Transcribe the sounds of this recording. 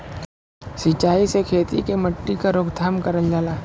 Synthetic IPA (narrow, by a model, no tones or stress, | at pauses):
sɪt͡ʃːaːisekʰeːt̪ḭkemɐʈːikaɾʊːɡd̪ʱaːmkɐɾəld͡ʒaːlaː